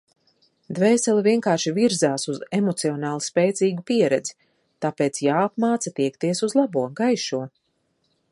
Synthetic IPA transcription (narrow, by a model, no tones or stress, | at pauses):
d̪vɛːsɛliviɛŋkaːɾʃiviɾzaːsuzemɔt̪siɔnaːlˠuspɛːt̪siːɡupiɛɾɛd̪zi̥ | t̪aːpeːt̪sjaːapmaːt̪sat̪iɛkt̪iɛsuzlˠabuɔɡajʃuɔ